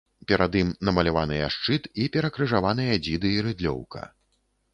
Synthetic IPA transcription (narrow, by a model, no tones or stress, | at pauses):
pʲɛɾad̪imnɐmɐlʲavanɨjɐʂt͡ʂɨt̪ipʲɛɾɐkɾɨʐavan̪ɨjɐd͡zʲid̪ɨːɾɨd̪lʲɔ̰wkɐ̰